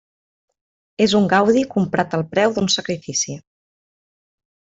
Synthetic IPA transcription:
ezuŋɡawðikumpɾat̪əlˠpɾɛwðunsəkɾifisi

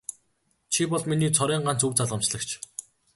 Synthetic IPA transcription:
t͡ɕʰipɔɮminiːt͡sʰɔɾæːɴɢan̥t͡suwt͡saɮʁə̆mt͡ɕɮə̆kt͡ɕʰ

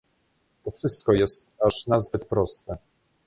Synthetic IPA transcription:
t̪ɔfʂɘst̪kɔjɛst̪aʂnazbɘt̪pɾɔst̪ɛ

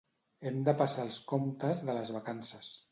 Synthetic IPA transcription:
ɛmd̪əpasalˠskomt̪əzðələzβakansəs

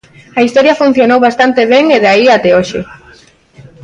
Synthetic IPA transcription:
aist̪oɾjafun̟θjonowβast̪ant̪eβeŋeðaiat̪eoʃe

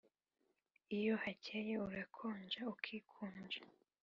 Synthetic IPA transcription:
ijohacejeuɾakʰoːɲd͡ʒaukʰiːkʰuːɲd͡ʒa

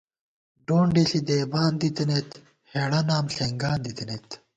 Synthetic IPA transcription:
ɖoːɳɖisid̪eːbaːnd̪it̪ɐnet̪ | heːɽɐnaːmɬeŋɡaːnd̪it̪inet̪

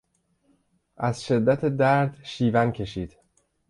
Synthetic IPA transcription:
ʔæz̥ʃe̞d̪ːæt̪ʰed̪æɾd̪ʃiːvæncʰe̞ʃiːd̪̥

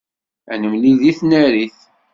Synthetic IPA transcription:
ænəmliðiθnæɾiθ

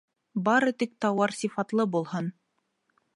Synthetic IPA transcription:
bɑɾɤt̪ik̚t̪ɑwɑɾsʲifɑt̪lˠɤbulˠhɤn

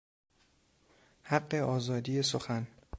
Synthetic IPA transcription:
hæɢːe̞ɒːzɒːd̪ijes̬oxæn

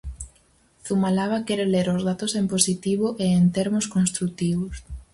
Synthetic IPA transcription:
θumalaβakɛɾeleɾozðat̪osemposit̪iβ̞oʔeent̪eɾmʊskonst̪ɾukt̪iβʊs

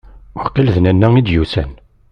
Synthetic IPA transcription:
ʊɾqilðnænːæŋid̪jusæ̰n

